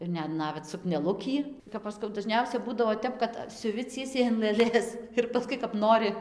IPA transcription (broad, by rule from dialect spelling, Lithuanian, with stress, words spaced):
ɪr ˈnʲɛt ˈnɑːʋʲɛt sʊknʲɛˈlˠʊkʲiː kɐp ˈɐʃ skɐʊ dɐˈʒʲnʲɛʊsʲɛ ˈbuːdɐʋoː ˈtʲɛp kɐt sʲʊˈʋʲɪ ˈt͡sʲiɛsʲɛɪ ɐn lˠɘˈlʲeːs ɪr pɐˈskʊɪ kɐp ˈnoːrʲɪ